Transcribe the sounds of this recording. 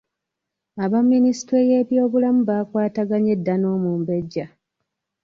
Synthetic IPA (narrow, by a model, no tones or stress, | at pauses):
aβamːinisi̥tweje̞ːβjo̞ːβulamuβaːkwaːtaɡaɲe̞dːano̞ːmuːmbe̞ɟːa